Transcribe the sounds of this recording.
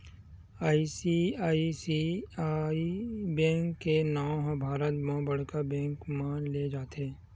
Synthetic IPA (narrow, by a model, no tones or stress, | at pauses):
aːisiaːisiaibɛ̃ːŋkːenɔ̃ɦbʱaːɾət̪mãbəɽ̤kabɛ̃ːŋkmãːnled͡ʒaːt̪eː